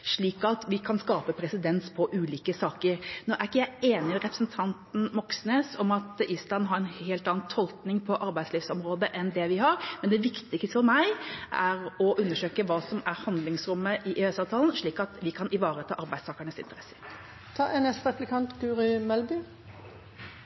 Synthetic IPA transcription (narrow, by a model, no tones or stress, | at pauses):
ʂɭiːkɑt̪ʋɪkʰɑnskɑːpəpʰɾɛsɪd̪ɛnspʰɔʔʉːliːkəsɑːkəɾnoːʔæɾɪkːəjæɪeːnɪmɛɾɛpɾə̥sn̩t̪ʰɑnt̪n̩mɔksneːsɔmɑt̪iːslɑnnɦɑɾɛnheːlt̪ɑːɑnt̪ʰɔlk̪nɪŋpʰɔʔɑɾbæɪsliːfsɔmɾoːd̪əʔɛnd̪ɛʋɪɦɑɾmɛnd̪ɛʋɪkt̪ɪkst̪əfɔɾmæɪʔæɾɔʔʉnːəʂøːkəʋɑːsɔmæɾhɑnd̪lɪŋsɾʉmːəʔɪʔeɛsɑːʋt̪ʰɑːln̩ʂɭiːkɑt̪ʋɪkʰɑnɪʋɑːɾət̪ʰɑ̰ːʔɑɾbæɪd̪st̪ʰɑːkəɳəsɪnt̪əɾɛsə̥ | t̪ʰɑɛnɛst̪ɑplɪkʰɑnt̪ɡʉːʁɪmɛlbʏ